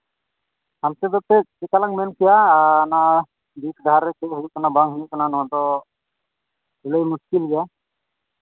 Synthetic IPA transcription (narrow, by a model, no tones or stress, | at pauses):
hamt̪ɛd̪ɔt̪ɛkɛkalaŋmɛnkʰijana | b̪it̪ʰɡʱaɾːɛkɛɦukanabaŋɦukananɔaʈɔ | uləjmuskilɡɛ